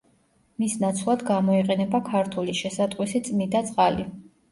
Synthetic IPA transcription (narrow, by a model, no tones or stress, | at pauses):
misnat̪sʰlˠad̪ɡamɔiqʼɛnɛbakʰaɾt̪ʰuliʃɛsat̪ʼqʼwisit̪sʼmid̪at̪sʼqʼali